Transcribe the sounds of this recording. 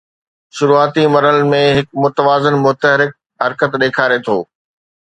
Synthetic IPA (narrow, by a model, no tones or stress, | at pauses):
ʃʊɾuːaːt̪imɐɾəlmẽɦɪk̚mʊt̪əʋaːzənmʊt̪əɦɾɪk̚ | ɦɐɾkət̪ɗeːkʰaːɾet̪ʰoː